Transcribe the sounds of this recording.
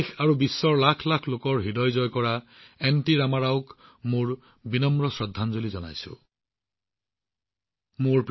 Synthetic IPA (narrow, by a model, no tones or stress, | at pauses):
kʰaɹubisːɔɹlakʰlakʰlokɔɹɦidɔjzɔjkɔɹaɛntiɹamaɹaʊkmoɹ | binɔmɹɔsɹɔd̪ʱːanzolizɔna̰jsʊ̰ | moɹp